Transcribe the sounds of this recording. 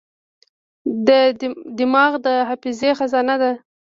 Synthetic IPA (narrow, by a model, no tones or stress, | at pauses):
d̪əd̪ɪmɑɣd̪əɦafizexazɑnad̪a